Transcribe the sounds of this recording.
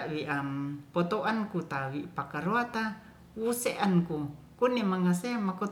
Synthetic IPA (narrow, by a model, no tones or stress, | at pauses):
ʔwiʔampot̪oʔankut̪awipakaɾoat̪a | wuseʔanku | kunemaŋaseamːako